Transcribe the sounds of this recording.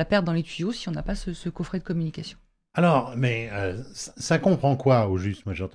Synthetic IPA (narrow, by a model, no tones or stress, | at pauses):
apɛʁt̪̚d̪ɑ̃let̪ɥijosiɔ̃napasəsəkɔfχɛd̪əkɔmynikʲasjɔ̃ | alɔːʁmɛøssakɔ̃pχɑ̃kwaoʒyst̪mwaʒeɑ̃t̪